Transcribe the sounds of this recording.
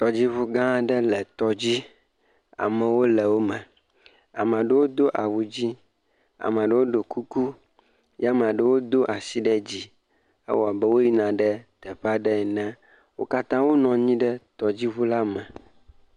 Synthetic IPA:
t̪ɔ˨d͡ʑi˦βu˦ɡã˦ɖɛ˦lɛ˨t̪ɔ˦d͡ʑi˦ | a̰˨mɛ̃˨wo˦le˨wo˦mɛ̃˨ | a̰˨m˨ã˨ɖe˦wo˦d̪o˦ʔa˨wu˨d͡ʑi˦ | a̰˨mã˨ɖe˦wo˦ɖo˨ku˦ku˦ | ja˦m̃˨a˨ɖe˦wo˦d̪o˦ʔa˨si˦ɖɛ˦d͡ʑi˦ | ḛ˦wɔ˨a˨be˦wo˦ji˦nã˨ɖɛ˦t̪ɛ˨ɸa˦ɖɛ˦˨nɛ̃˦ | wo˦ka˦t̪ã˦wo˦nɔ̃˨ɲĩ˦ɖɛ˦t̪ɔ˨d͡ʑi˦βu˦la˦mɛ̃˨

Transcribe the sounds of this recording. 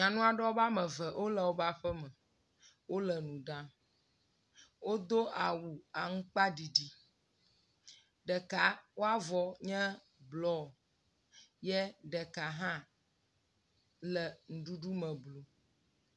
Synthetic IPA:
ɲã˨nũ˦a˨ɖɛ˦o˦ba˦mɛ̃˨vɛ˨ʔo˦lɛ˨wo˦ba˦ɸɛ˦mɛ˨ | wo˦lɛ˨nũ˨ɖã˦ | wo˦d̪o˦a˨wu˨a˨ŋũ˦k͡pa˦ɖi˨ɖi˨ | ɖɛ˨ka˨wo˦a˦vɔ˨ɲɛ̃˦ | blɔ˦˨ | jɛ˦ɖɛ˨ka˨ɦã˦ | lɛ˨ŋ̩˨ɖu˦ɖu˦mɛ̃˨blo˨

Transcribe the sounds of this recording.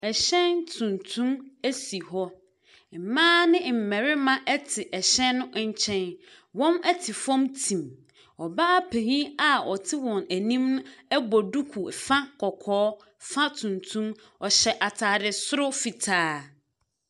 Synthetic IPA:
ɛ˨ɕɛ̃˦ntʰũ˨ntʰũ˦mæ˦si˨ɦɔ˦ | m̩˨mãː˦nɪ̃˦m̩˨mɛ̃˨ɾɪ˦mã˦ʔɛ˦tʰɪ˨ʔɛ˨ɕɛ̃˦nːʊ̃˦ʔɲ̩˦t͡ɕʰɛ̃˦n | wɔ̃˦mæ˦tʰɪ˨fɔ̃˦mtʰĩ˨m | ɔ˨ba˦pʰe˨hĩ˦a˨ɔ˨tʰɪ˦wɔ̃˨næ˨nĩ˦mnʊ̃˦ɛ˦bɔ˨du˦kʰu˨fa˦kʰɔ˨kʰɔː˦ | fã˦tʰũ˨ntʰũ˦m | ɔ˨ɕɛ˨ʔa˨tʰa˨dɪ˨sʊ˦ɾʊ˦fi˨tʰaː˨˦

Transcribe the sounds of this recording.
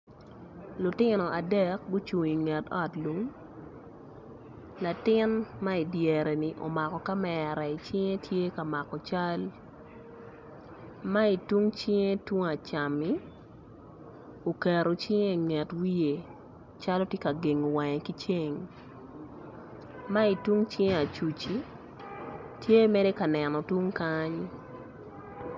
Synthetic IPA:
lʊ˨tɪ˦nɔ˨ʔa˨dɛ˦k̚ɡʊ˦t͡ʃu˨ŋi˨ŋɛ˨tɔ˦˨tlu˨˦ŋ | la˨tɪ˦nma˦i˨djɛ˨ɾɛ˨ni˨ʔo̰˨ma˨kɔ˨ka˦mɛ˨ɾa˨i˨t͡ʃɪ˦ŋe˦tʰje˦ka˨ma˨kɔ˨t͡ʃa˦l | ma˦i˨tu˦ŋt͡ʃɪ˦ŋe˦twu˦ŋa˨t͡ʃa˨mi˦ | o˨kɛ˨ɾo˨t͡ʃɪ˦ŋe˦˨ŋɛ˨twi˦je˨ | t͡ʃa˦lo˦tje˦ka˨ɡe˨ŋo˨wa˨ɲe˨ki˦t͡ʃe˦ŋ | ma˦i˨tu˦ŋt͡ʃɪ˦ŋe˦a˨t͡ʃu˨t͡ʃi˦ | tʰje˦mɛ˦de˦ka˨nɛ˨nɔ˨tu˦ŋkaɲ

